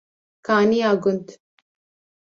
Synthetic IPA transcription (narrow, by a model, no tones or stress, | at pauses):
kaːnijaːɡʊnt̪